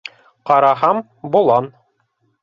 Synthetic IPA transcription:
qɑɾɑɦɑm | bulˠɑn

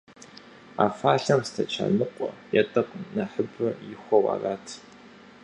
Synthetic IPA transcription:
aːfaːɬɐmstʰɐt͡ʃʰa̰ːnɨqʷʼɔjɛtʼɐqʷʼnɐħəbɨjɪxʷɔwa̰ːraːtʰ

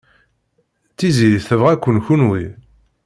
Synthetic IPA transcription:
t͡sːiziɾiθəvʁækʷːənçunwi

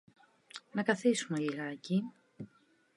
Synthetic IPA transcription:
nɐkɐθisumeliɣɐci

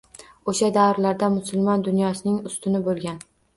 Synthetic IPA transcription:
oʃad̪aɾlaɾd̪amʊsʊlˠmɒnd̪ʊnjɒsɪnɪŋʊst̪ɪnɪbolˠɡʲan

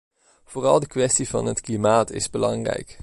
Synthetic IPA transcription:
v̥oːrɑlˠdəkʋɛstivɑ̰nətklimaːtɪ̰zbəlɑŋrɛ̰jk

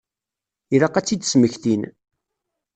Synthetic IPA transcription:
iɾɑqæt͡sːid̪sməçθin

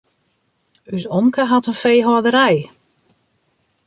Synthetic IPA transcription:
ysɔmkəɦatənfejɦɔdəɾɛj

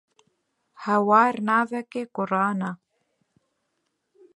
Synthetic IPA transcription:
hawaɾnaːvɛkɪkʊɾaːna

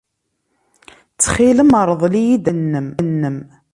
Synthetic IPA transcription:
t͡sːχiləməɾˤðˤlijid̪ənːəmnːəm

